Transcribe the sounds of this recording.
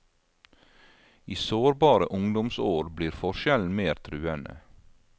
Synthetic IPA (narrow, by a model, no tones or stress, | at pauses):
iːsoːɾbɑːɾəʔʊŋd̪ʊmsoːɾbliːɾfɔʃɛln̩meːɾt̪ʰɾʉːənə̰